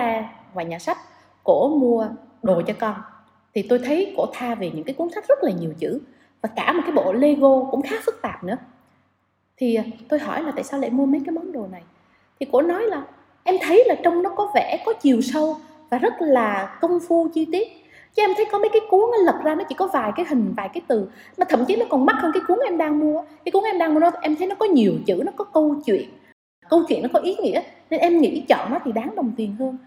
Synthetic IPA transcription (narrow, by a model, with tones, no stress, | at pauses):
vaː˨˩jɲaː˨˩sa˦˥jkt̚ | ko˧˩əmu˧əɗo˨˩t͡ɕɔ˧kɔ˧n | t̪ʰi˨˩t̪o˧jt̪ʰə˨˦jko̰˧˩t̪ʰaː˧ve˨˩ɲɨ̰˧˥ŋkaː˨˦ku˨˦əŋsa˦˥jk̚z̥ə˦˥t̚laː˨˩ɲi˨˩əwt͡ɕɨ̰˧˥ | vaː˨˩kaː˧˩mo˨˩kaː˨˦jɓo̰˧˨le˧ɣo˧kʊ̰˧˥ŋ͡mxaː˨˦fɨ˦˥k̚t̪aː˨˩p̚nɨ̰˧˥ə | t̪ʰi˨˩˨t̪o˧jɦɔ˧˩jlaː˨˩t̪a̰ː˧˨saː˧wɗḛ˧˨mu˧əmə˨˦jkaː˨˦jma˨˦nɗo˨˩na˨˩j | t̪ʰi˨˩ko̰˧˥nɔ˨˦jlaː˨˩ | ʔɛ˧mt̪ʰə˨˦jlaː˨˩t͡ɕə˧wŋ͡mnɔ˨˦kɔ˨˦vɛ˧˩kɔ˨˦t͡ɕi˨˩əwsə˧w | vaː˨˩zə˦˥t̚laː˨˩kə˧wŋ͡mfu˧t͡ɕi˧t̪i˦˥ət̚ | t͡ɕɔ˧˦ʔɛ˧mt̪ʰə˨˦jkɔ˨˦mə˨˦jkaː˨˦jku˨˦əŋnɔ˨˦lə˨˩p̚zaː˧nɔ˨˦t͡ɕḭ˧˩kɔ˨˦vaː˨˩jkaː˨˦jɦï˨˩ŋ̟vaː˨˩jkaː˨˦jt̪ɨ˨˩ | m˨˩t̪ʰə˧˨mt͡ɕi˨˦nɔ˨˦kɔ˨˩nma˦˥t̚həː˧nka˨˦jku˨˦əŋʔɛ˧mɗaː˧ŋmu˧əkaː˨˦jku˨˦əŋʔɛ˧mɗaː˧ŋmu˧ə˧nɔ˨˦t̪ʰʔɛ˧mt̪ʰə˨˦jnɔ˨˦kɔ˨˦ɲi˨˩əwt͡ɕɨ̰˧˩nɔ˨˦kɔ˨˦kə˧wt͡ɕwḭ˧˨ənː˨˩ | kə˧wt͡ɕwḭ˧˨nːɔ˨˦kɔ˨˦ʔi˨˦ŋḭ˧˥əne˧nʔɛ˧mŋḭ˧˥t͡ɕɔ̰˧˨nnɔ˨˦jt̪ʰi˨˩ɗaː˨˦ŋɗə˨˩wŋ͡mt̪i˨˩ənhəː˧n